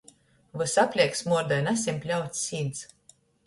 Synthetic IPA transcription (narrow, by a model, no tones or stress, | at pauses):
vɨsapʲlʲiɛksmuɔɾd̪ɔjnæsʲimpʲlʲawt̪sːʲiːnt̪s